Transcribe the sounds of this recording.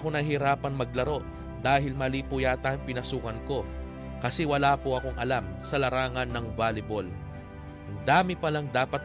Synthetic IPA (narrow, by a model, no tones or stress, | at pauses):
ko̞nɐɦɪɾaːpɐnmɐɡ̚lɐɾo̞ʔ | d̪aːɦɪlmɐliːpujaːt̪aŋpɪnɐsuːkɐnko̞ | kɐsɛwɐlaːpoɐko̞ŋʔɐlamsɐlɐɾaːŋɐnːɐŋvaːlɪbol | ʔɐŋd̪aːmɪpɐlɐŋd̪aːpɐt̪̚